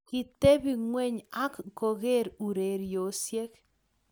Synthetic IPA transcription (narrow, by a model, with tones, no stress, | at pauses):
ki˨t̪e˦bi˨ŋwe˦˨ɲa˦kko˨ɣe˦ɾu˨ɾe˨ɾjo˨˦sje˦k